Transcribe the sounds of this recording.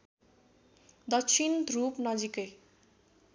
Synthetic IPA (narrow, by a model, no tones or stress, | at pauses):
d̪ʌkt͡sʰint̪ɾupnʌd͡zikʌj